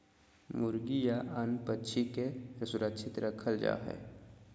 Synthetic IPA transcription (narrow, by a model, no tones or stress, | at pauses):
mʊɾɡijaʔənpətːʃʰikesʊɾəkʃʰɪt̪ɾəkʰəld͡ʒa̰ːɦɛ̰ː